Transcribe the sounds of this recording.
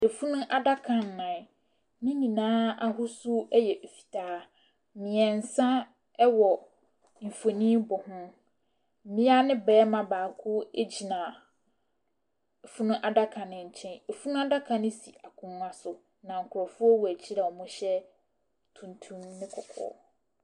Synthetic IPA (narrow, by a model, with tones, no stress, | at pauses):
e˨fu˦nʊ̃˦ʔa˨da˦kʰã˨n̩ː˨ã˨ | nĩ˦nĩ˨nãː˦a˨ɦʊ˦su˦ɛ˦jɛ˨ʔe˨fi̥˨tʰaː˦ | mɪ̃˨ɛ˨n̩˨sã˦ | ɛ˦wɔ˨ | m̩˨fo˨nĩ˦bɔ˨hʊ̃˦˨ | mɪ̃˦a˦nɪ̃˦bɛː˦mã˦baː˨kʰʊ˦e˦d͡ʑi˨nã˨ | e˨fu˦nʊ̃˦ʔa˨da˦kʰã˨nɪ̃˨ɲ̩˨t͡ɕʰɛ̃˦ne˨fu˦nʊ̃˦a˦da˦kʰã˨nɪ̃˦si˨a˨kʰʊ̃˨m̃˦a˦sʊ˨ | nã˨ŋ̩˨kʰʊ˨ɾɔ˨fʊ˦ɔ˦wɔ˨æ˨t͡ɕʰi˦ɾɛ˨ɔ˨mʊ̃˦ɕɛ˦ | tʰũ˨ntʰũ˦mnɪ̃˦kʰɔ˨kʰɔ̰ː˦˨